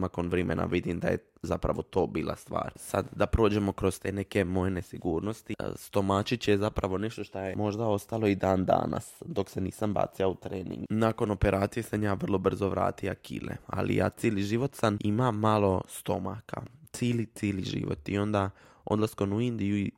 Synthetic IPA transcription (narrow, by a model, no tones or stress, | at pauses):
nako̞nʋɾemḛnʔa̰ʋid̪imd̪aje̞ | zapɾa̰ʋo̞t̪o̞ːbiːlˠa̰st̪ʋa̰ːɾsad̪d̪apɾo̞ːd͡ʑe̞mo̞kɾo̞zst̪e̞ːne̞ke̞mo̞jene̞siɡuːɾno̞st̪ist̪o̞maːt͡ʃit͡ɕjezapɾaʋo̞ne̞ʃt̪o̞ʃt̪ojemo̞ʒd̪ao̞st̪alˠo̞id̪aːnd̪a̰ːna̰sd̪o̞kse̞niːsamba̰ːt̪siaut̪ɾeːnḭ̃ŋɡnako̞no̞pe̞ɾaːt̪sije̞samjaːʋər̩lˠo̞br̩zo̞ʋɾa̰ːt̪iakḭlḛa̰lḭja̰ːt̪siːliʒiʋot̪sanimamalo̞st̪o̞makʰat̪siːlit̪iːliʒḭʋo̞̰t̪io̞nd̪a | o̞d̪lˠaskonuind̪iui